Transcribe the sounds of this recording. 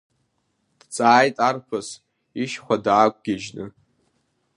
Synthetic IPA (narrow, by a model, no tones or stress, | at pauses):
d̥t͡sʼaːjtʼarpʰɨs | iʃχʷadaːkʷʼɡ̥ʲɪʒnɨ̰